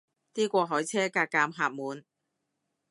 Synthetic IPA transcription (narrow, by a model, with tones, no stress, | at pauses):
t̪iː˥kʷɔː˧ɦɔː˨˥jt͡sʰɛː˥kaː˧k̚ːaː˧mɦaː˧p̚muː˨˧n